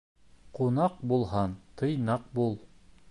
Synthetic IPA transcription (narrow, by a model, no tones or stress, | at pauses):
qunɑq̚bulˠɦɑnt̪ʰɤjnɑq̚bulˠ